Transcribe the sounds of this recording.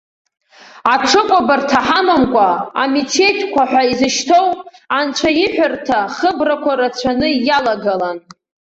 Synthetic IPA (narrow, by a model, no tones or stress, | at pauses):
aʈ͡ʂʷʰɨkʷʼabartʰaħamamkʷʼaa̰mitʰe̞tʰʼkʷʰaħʷᶣaizɨʃtʰowant͡ʃʷʰajɪħʷᶣʊrtʰaχəbrakʷʰaɾat͡ɕʷʰanɨjalaɡalan